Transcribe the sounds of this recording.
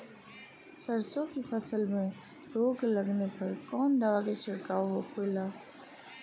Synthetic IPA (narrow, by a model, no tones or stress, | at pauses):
sɐɾsõkifɐsəlmẽ | ɾoːɡlɐɡnepɐɾkɔːnd̪aʋaket͡ʃʰɪɽkaːɦokʰoːlaː